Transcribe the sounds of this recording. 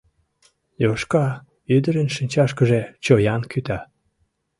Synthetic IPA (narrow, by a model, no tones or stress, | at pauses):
joʃkɑ | yd̪əɾenʃinʲt͡ɕɑʃkəʒet͡ɕojɑnkʰyt̪ɑ